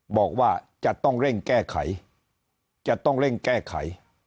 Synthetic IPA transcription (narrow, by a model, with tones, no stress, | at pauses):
bɔː˨˩k̚waː˥˩t͡ɕa˨˩t̪ɔ˥˩ŋɾe˥˩ŋkɛː˥˩kʰa̰˩˦j | t͡ɕa˨˩t̪ɔ˥˩ŋɾe˥˩ŋkɛː˥˩kʰa̰˩˦j